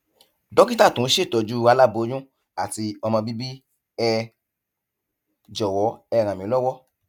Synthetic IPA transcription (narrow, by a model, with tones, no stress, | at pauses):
dɔ˦kĩ˦ta˦˨tũ˨˦ʃe˦˨tɔ˨d͡ʒu˦a˧la˦˨bo˨˦d͡ʒũ˦ | a˨ti˧ɔ˧mɔ̃˧bi˦bi˦ | ɛ˧ | d͡ʒɔ˨wɔ˨˦ɛ˧˨ɾ̃ã˨mĩ˨˦lɔ˦wɔ˦